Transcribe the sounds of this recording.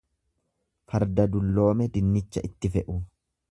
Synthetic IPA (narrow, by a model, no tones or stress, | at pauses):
fɐɾd̪ɐd̪ʊlːo̞ːmɛd̪ɪnːɪt͡ʃːɐʔɪt̪ːɪfɛʔʊ